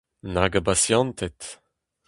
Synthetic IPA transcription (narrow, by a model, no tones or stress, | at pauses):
naɡabasjɑ̃nt̪ɛt̪